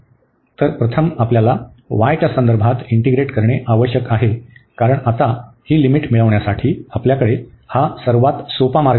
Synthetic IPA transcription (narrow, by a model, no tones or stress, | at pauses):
t̪əɾpɾət̪ʰəmapljala | ʋajt͡ɕasənd̪əɾbʱat̪iɳʈiɡɾeʈkəɾɳeʔaʋəɕjəkaɦekaɾəɳat̪ahiːlimiʈmiɭəʋɳjasaʈʰiːapljakəɽehasəɾʋat̪sopamaɾɡ